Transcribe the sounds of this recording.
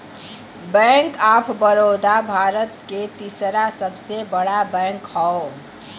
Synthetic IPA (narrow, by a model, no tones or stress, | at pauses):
bɛ̃ŋkaːpʰbəɾod̪abʱaːɾət̪ket̪isɾasəbsebəɽabɛ̃ŋkhɔ